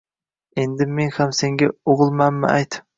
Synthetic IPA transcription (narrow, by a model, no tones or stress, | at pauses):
end̪ɪmenhɛmseŋɡʲɛoʁɨlˠmæmːɪ̰ɛjt̪ʰ